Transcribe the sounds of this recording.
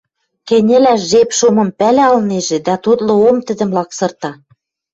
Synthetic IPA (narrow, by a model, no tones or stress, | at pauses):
kenʲĕlæʒepʃomɤ̆mpælæɑlneʒĕd̪æt̪ut̪lɤ̆omt̪ɘ̆d̪ɘ̆mlɑksɤ̆rt̪ɑ